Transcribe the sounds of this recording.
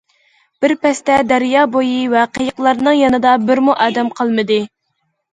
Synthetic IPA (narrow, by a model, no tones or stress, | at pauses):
b̥ɪɾpɛst̪ɛd̪æɾjɑːbojivɛqʰejəqlˠɑɾnɨŋjɑnɨd̪ɑbɪɾmuʔɑːd̪ɛmqʰəlˠmɨd̪ɨ